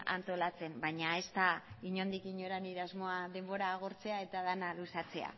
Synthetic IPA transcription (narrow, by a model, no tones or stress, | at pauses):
a̰nt̪o̞lat͡se̞mbajɲae̞st̪aiɲo̞nd̪ikiɲoɾaniɾazmo̞aðe̞mbo̞ɾaːɣ̞o̞ɾt͡se̞ae̞t̪að̞analusat͡se̞a̰